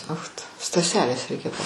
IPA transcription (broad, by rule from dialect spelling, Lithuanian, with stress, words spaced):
ˈoːx tʊ stɐˈsʲæːlʲeːs ˈrʲɛɪkʲɛ pɐ